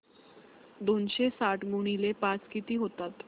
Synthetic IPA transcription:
d̪onɕesaʈɡuɳ̃ilepat͡skit̪iːɦot̪at̪

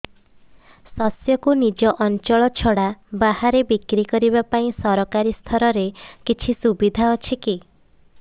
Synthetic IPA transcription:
sɔsjɔkunid͡ʒɔʔɔnt͡ʃɔɭɔt͡ʃʰɔɽabahaɾebikɾikɔɾibapaĩsɔɾɔkaɾist̪ʰɔɾɔɾekit͡ʃʰisubid̪ʱaɔt͡ʃʰiki

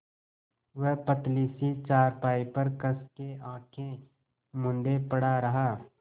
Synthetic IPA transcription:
ʋəɦpət̪liːsit͡ʃaːɾpaːipɐɾkɐskeãːkʰẽ | mʊ̃nd̪epɐɽaɾɐɦaː

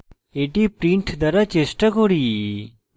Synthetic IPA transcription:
eːʈipɾiɳʈʰd̪ɐɾat͡ʃesʈakoɽi

